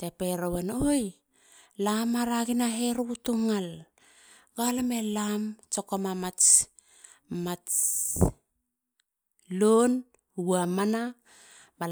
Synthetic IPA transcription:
tepeɾowenoj | lamaɾaɡinaɦeɾutuŋal | ɡ̥alamelamt͡ʃokomamat͡ʃ | mat͡ʃ | lon | uamana | bal

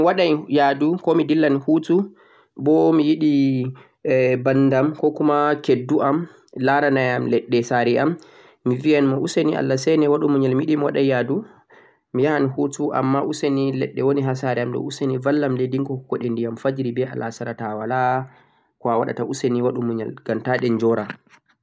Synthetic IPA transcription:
waɗajjadukɔmidilːanhutu | bɔmijiɗi | banːdamkɔkumakedːuʔam | laɾanajamlɛɗːɛsaɾiamː | ivianmɔʔuseniʔa̰lːasɛnɛwaɗumuɲɛlmijiɗimwaɗajjadu | mijaanhutuʔa̰mːaʔusenilɛ̰ɗːɛwoniɦasaɾɛamɗɔ̰usenivalːamlediŋkɔkːɔɗendijamfad͡ʒɾibɛa̰lʔasaɾatawala | kɔawa̰ɗa̰taʔuseniwaɗumuɲɛ̰lɡ̥amtaɗɛnd͡ʒɔɾa

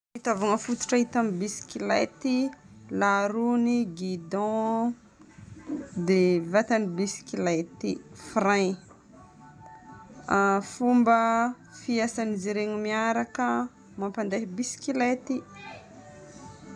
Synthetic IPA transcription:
it̪avaŋəfut̪u̥ʈ͡ʂaɦit̪ambisi̥kilat̪i | laɾuniɡid̪ɔ̃ | d̪evat̪anibisi̥kilat̪ifra | afumbə | fiasaniziɾeŋimiaɾakə | mampand̪eɦibisi̥kilet̪i

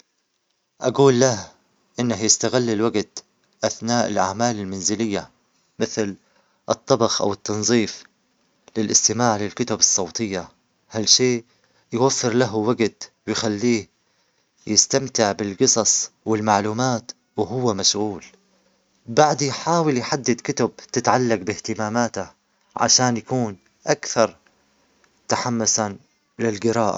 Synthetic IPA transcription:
ʔaɡuːlːah | ʔɪnːaɦjɪst̪aɣɪlːɪlwaɡt̪ | ʔaθnaːʔɪlʔa̰ʕmaːlɪlmanzɪlɪjːa | mɪθl | ʔɨt̪ˤːɑbɑxʔa̰wɪt̪ːɑnzˤiːf | lɪlʔɪst̪ɪmaːʕlɪlkʊt̪abɨsˤːɑwt̪ˤɨjːa | halʃeː | jwafːɪɾlaɦwaɡt̪wɪjxalːiːh | jɪst̪amt̪ɪʕbɪlɡɨsˤɑsˤwɪlmaʕluːmaːt̪ | wɦʊwːamaʃɣuːl | baʕd̪ijħaːwɪljħad̪ːɪd̪kʊt̪ab̚t̪ɪt̪ʕalːaqbɪht̪ɪmaːmaːt̪a | ʕa̰ʃaːnjakuːn | ʔakθɑɾˤ | t̪aħamːʊsa | lɪlɡɪɾɑːʔa̰

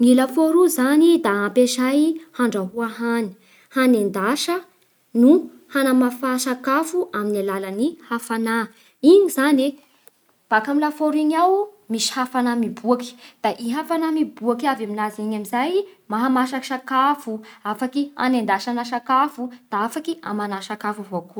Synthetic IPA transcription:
ŋilafoɾuzanid̪aampeʃajhaɳɖ͡ʐaɦuaɦani̥ | hanend̪aʃə | nu | hanamafaʃakafuʔaminalalənihafana | iɲizane | b̥akamilafoɾiɲawmisi̥hafanamibuaki̥d̪̥aʔiɦafanamibuakavaminaziɲamizajmaɦamaʃaki̥ʃakafuafakia̰nend̪aʃanaʃakafud̪̥aafakia̰manaʃakafuvoku

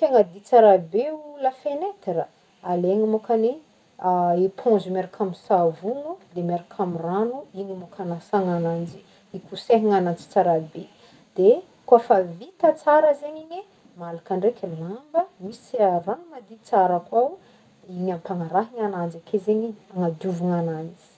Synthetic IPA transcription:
t̪eŋəd̪it͡saɾabeuləfenet̪ɾa | aleŋimokane | aepʰõnzumeɾakʰamisavunud̪emeɾakʰamiranuiɲimokʰanasaŋanand͡zi | ikuseɦiŋanant͡si̥t͡saɾabe | d̪̥e | kuafavit̪ət͡saɾəzeɲiɲe | malakaɳɖ͡ʐekʰʲəlambəmisranuŋad̪it͡saɾakwaw | iɲampaŋaɾaɦiŋanand͡zakʰezeɲiaŋad̪uvuŋanand͡zi̥

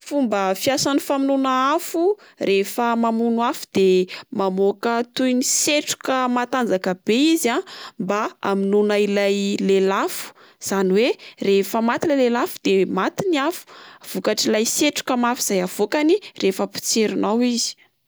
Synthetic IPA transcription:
fumbəfiasanifaminunaafu | refəmamunuafu̥d̪emamokət̪ujniseʈ͡ʂu̥kəmat̪and͡zakəb̥eizambaa̰minunailajlelafu̥ | z̥aniwerefəmat̪inəlelafu̥d̪̥emat̪iniafu̥v̥ukaʈ͡ʂilajseʈ͡ʂu̥kəmafiz̥ajav̥okanirʔefəpi̥t͡seɾinawizi̥

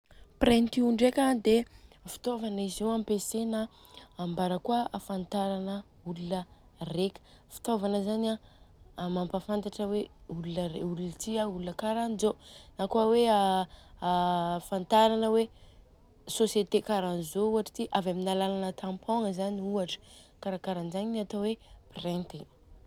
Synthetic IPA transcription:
prent̪iuɳɖ͡ʐekad̪efi̥t̪ovanizewampesenaː | mbaɾəkuaafant̪aɾanə | ulunə | rekʲə̥ | fi̥t̪ovanəzana | mampafant̪aʈ͡ʂəweululəeulunət̪iaulunəkaɾanizonakuawea | fant̪aɾanəwe | sosjet̪ekaɾanizouaʈ͡ʂə̥t̪iʔavaminalalanət̪ʰãmpʰoŋəzaniuaʈ͡ʂə̥ | kaɾakaɾanzaɲiniat̪oweprent̪e

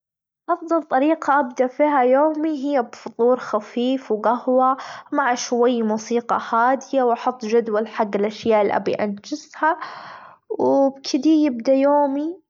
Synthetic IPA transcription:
ʔɑfðˤɑlt̪ˤɑɾiːqɑʔab̚d̪aʔfiːɦajoːmiɦɪjːabfʊt̪ˤuːɾxafiːfwɡahwamaʕaʃwajːmuːsiːqɑ̰haːd̪ɪjawʔɑħʊt̪ˤːʒad̪walħaɡːɪlʔaʃjaːʔɪlʔa̰bḭʔand͡ʒɪsha | wbkʰɪd̪ijɪbd̪ajoːmi

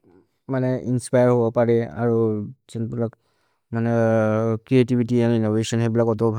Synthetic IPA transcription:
manɛʔinspajaɹɦobɔpaɹɛa̰ɹuzɛnbilak | manɛkɹietibitianinobesɔnhebilakɔtɔbʱa

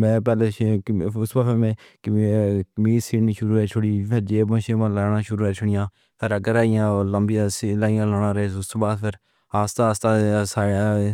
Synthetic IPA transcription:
mɛ̃ːpɛːleːʊsbaːpemɛ̃ːkkmiːsiːʈnĩːʃʊɾuːɦɛːt͡ʃʰʊɽiːpʰɪɾd͡ʒeːbə̃ːʃeːmãːlaːnãːʃʊɾuːɦɛːt͡ʃʰʊɽɪjãː | pʰɪɾəɡəɾaːɪjãːoːləmbɪjãːsilaːɪjãːloːɽãːɾəeːsʊst̪baːd̪pʰɪɾ | aːst̪aːst̪aːsaːaː

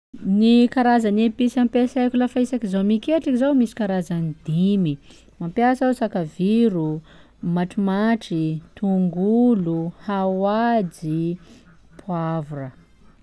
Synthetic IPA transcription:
nikaɾazanepisampesajkulafaisakizowmikeʈ͡ʂikizowmisi̥kaɾazanid̪imi | mampjasawsakaviɾu | maʈ͡ʂimaʈ͡ʂit̪uŋɡuluhawad͡ʒi | pʰuavurə

